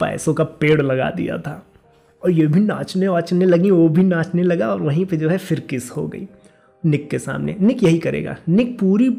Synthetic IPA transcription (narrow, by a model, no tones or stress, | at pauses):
pa̰ːsõkapeːɽlɐɡa̰d̪ḭja̰t̪ʰaː | ɔːɾjebʱina̰ːt͡ʃneʋaːt͡ʃnelɐɡĩʋobʱinãːt͡ʃnelɐɡaɔːɾʋɐɦĩped͡ʒoːɦɛfɪɾkɪsho̰ɡɐ̰ḭː | nɪkːesa̰ːmnḛnɪkjɐɦikɐɾḛːɡa̰ːnɪk̚puːɾi